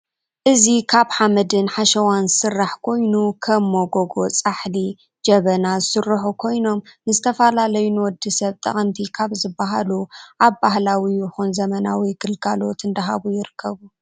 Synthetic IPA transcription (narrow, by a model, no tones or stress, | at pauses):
ʔɨzikʰaβħamɐd̪ɨnħaʃɐwansɨrːaħkʰo̞jnukʰɐmːoɡo̞ɡo̞t͡sʼaħli | d͡ʒɐβɐnazɨsɨrːuħukʰo̞jno̞mnɨzɨt̪ʰɐfɐlalɐjunwɔd̪ːisɐβt̪ʼɐ̰χʼɐnt̪ʰikʰaβzɨbaɦaluʔaβbahlawiɪxunzɐmɐnawiɡɨlɡalo̞t̪ɨnd̪ɐɦa̰βujɪɾɨkʰːɐβu